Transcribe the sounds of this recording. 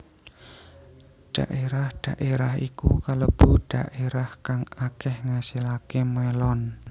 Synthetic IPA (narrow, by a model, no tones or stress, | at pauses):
ɖ̥aʔeɾahd̥aʔeɾaɦḭkṵkalob̥uɖ̥aʔeɾahkaŋakɛhŋasilakemɛlɔn